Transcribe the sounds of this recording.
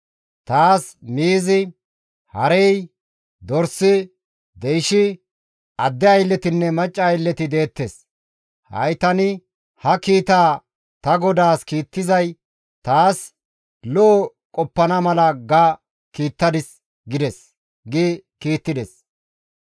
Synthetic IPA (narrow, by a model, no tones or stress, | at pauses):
t̪aːsmiːzɪ | hɐɾɛj | d̪ɔɾsɪ | d̪ɛjʃɪ | ɐd̪ːɛɐjlːɛt̪ɪnːɛmɐt͡ʃʼːɐːjlːɛt̪ɪd̪e̞ːt̪ːes | hɐ̰jt̪ɐnɪ | hɐkiːt̪aː | t̪ɐɡɔd̪aːskiːt̪ːɪzɐj | t̪aːs | lɔː | kʼɔpːɐnɐmɐlɐɡɐ | kiːt̪ːɐd̪ɪs | ɡɪd̪ɛs | ɡɪkiːt̪ːɪd̪ɛs